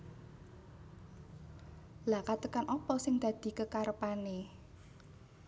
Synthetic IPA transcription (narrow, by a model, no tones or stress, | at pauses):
lakat̪əkanʔɔpɔsɪŋd̪̥ä̤d̪̥i̤kəkaɾəpane